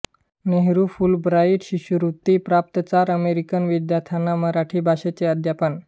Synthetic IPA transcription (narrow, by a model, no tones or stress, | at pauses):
neɦɾufulbɾaiʈɕiɕuɾut̪ipɾap̚t̪ət͡saɾəmeɾikənʋid̪jat̪ʰanːaməɾaʈʰiːbʱaɕet͡seəd̪ʱjapən